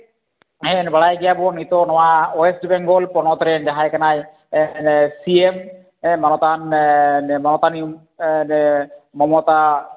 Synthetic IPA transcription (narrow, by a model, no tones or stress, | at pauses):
ɦẽnbɐɭajɡijabunit̪onɔwaoesʈbeŋɡolpɔnɔt̪ɾend̪aɦajkanaj | nsiem | mɔnɔt̪annmɔnɔt̪anium | nemɔmot̪a